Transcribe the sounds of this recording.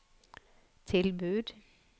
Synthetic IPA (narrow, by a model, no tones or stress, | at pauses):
t͡sʰe̝lbød̥̪